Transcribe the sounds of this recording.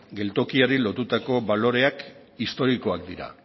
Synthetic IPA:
ɡe̞lt̪o̞kiaɾilo̞t̪ut̪ako̞βalo̞ɾe̞ak | ist̪o̞ɾiko̞ak̚d̪iɾa̰

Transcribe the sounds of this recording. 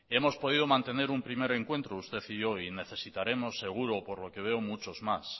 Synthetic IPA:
e̞mo̞spo̞ð̞iðo̞mãnt̪e̞ne̞ɾumpɾime̞ɾe̞ŋkwe̞nt̪ɾoust̪e̞θiʝo̞ine̞θe̞sit̪aɾe̞mo̞sːe̞ɣ̞uɾo̞po̞ɾlo̞ke̞β̞e̞omut͡ʃo̞zmas

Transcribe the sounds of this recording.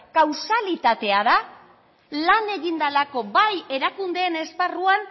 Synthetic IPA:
kawsalit̪at̪e̞aða | lane̞ɣind̪alako̞baje̞ɾakund̪e̞ːne̞sparuan

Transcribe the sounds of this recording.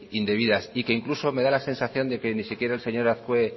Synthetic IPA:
ind̪e̞βiðasikeiŋkluso̞me̞ðalase̞nsaθjo̞nd̪e̞ke̞nisikje̞ɾaelse̞ɲo̞ɾaθkwe

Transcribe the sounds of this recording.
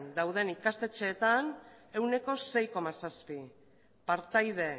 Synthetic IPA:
nd̪awð̞e̞nikast̪e̞t͡ʃe̞ːt̪ane̞wne̞ko̞se̞jko̞masaspi | paɾt̪ajðe̞

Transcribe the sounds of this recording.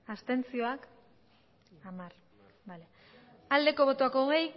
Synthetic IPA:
ast̪e̞nt͡sio̞ak | amar | bale | ald̪e̞ko̞β̞o̞t̪oakoɣej

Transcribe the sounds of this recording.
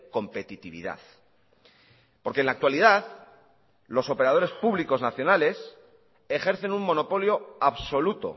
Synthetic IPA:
ko̞mpe̞t̪it̪iβḭða̰θ | po̞ɾkenlak̚t̪waliðað | lo̞so̞pe̞ɾað̞o̞ɾe̞spuβliko̞znaθjo̞nale̞s | e̞xe̞ɾθe̞nummo̞no̞po̞ljo̞aβso̞lut̪o̞̰

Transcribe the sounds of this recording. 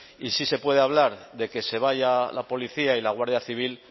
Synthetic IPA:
isise̞pwe̞ð̞eaβ̞laɾðe̞ke̞se̞β̞ajala̰po̞liθiailaɣ̞waɾðjaθiβ̞il

